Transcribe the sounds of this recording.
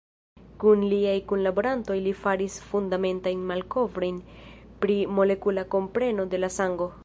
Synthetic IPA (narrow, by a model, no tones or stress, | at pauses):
kunliajkunlabo̞ɾanto̞jlifaɾisfundame̞ntajnmalko̞vɾo̞jnpɾimo̞le̞kulako̞mpɾe̞no̞de̞lasaŋɡo̞